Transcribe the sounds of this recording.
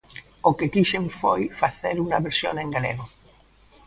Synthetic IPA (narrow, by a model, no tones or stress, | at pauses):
okekiʃeɱfojfaθeɾunɐβeɾsjo̰ŋẽŋɡalḛɣo